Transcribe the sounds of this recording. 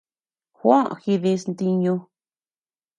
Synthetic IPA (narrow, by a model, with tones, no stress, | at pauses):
xwã˦˨xi˧ði˧snd̪i˧ɲũ˧